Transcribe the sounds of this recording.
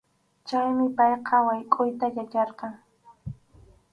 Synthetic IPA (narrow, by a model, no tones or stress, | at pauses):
t͡ʃajmɪpajqʰɑwajkʼʊjt̪ajat͡ʃɑɾqɑŋ